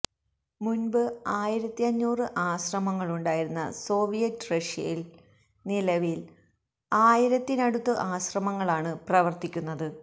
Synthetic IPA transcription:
munbɨaːjiɾɐt̪ːiɐɲːuːrɨʔaːɕrɐmɐŋːɐɭuɳɖaːjiɾunːɐ̰so̞ːʋijɐtːrɐʂɐ̰jil | nilɐʋil | aːjiɾɐt̪ːinɐɽut̪ːɨʔaːɕrɐmɐŋːɐɭaːɳɨprɐʋɐrt̪ikʲːunːɐðɨ

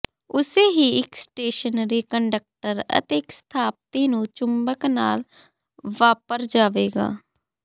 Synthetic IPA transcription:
ʊseːɦiːɪksʈeːʃənɾiːkəɳɖək̚ʈəɾə̰t̪eːɪkst̪ʰaːp̚t̪iːnũːt͡ʃʊmbəknaːl | ʋaːpəɾd͡ʒaːʋeːɡa̰ː

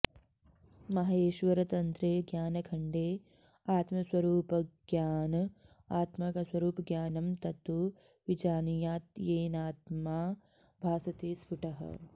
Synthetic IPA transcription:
mɐɦeːʃʋɐɾɐt̪ɐnt̪ɾeːɡjaːnɐkʰɐɳɖeː | aːt̪mɐswɐɾuːpɐɡjaːnɐ | aːt̪mɐkɐswɐɾuːpɐɡjaːnɐmt̪ɐt̪u | ʋid͡ʒaːnijaːt̪jeːnaːt̪maː | bʱaːsɐt̪eːspʰuʈɐɦɐ̰

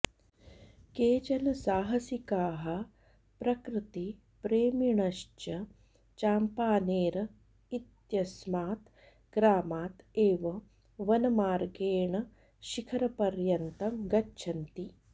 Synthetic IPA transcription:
keːt͡ʃɐnɐsaːɦɐsikaːɦɐ | pɾɐkɾɨt̪i | pɾeːmiɳɐʃt͡ʃɐ | t͡ʃaːmpaːneːɾɐ | it̪jɐsmaːt̪ | ɡ̥ɾaːmaːt̪eːʋɐ | ʋɐnɐmaːɾɡeːɳɐ | ʃikʰɐɾɐpɐɾjɐnt̪ɐmɡɐtːʃʰɐnt̪i

